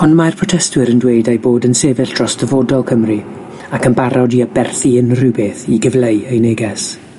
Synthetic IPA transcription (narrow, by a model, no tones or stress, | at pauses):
ɔnmajrpʰrɔtʰɛstwɪɾəndwejdajboːdənseːvɪɬd̥rɔsd̥əvoːdɔlˠkʰəmri | akənbaɾʔɔdiabɛrθiənrɨbeːθiɡəvlejejneːɡɛs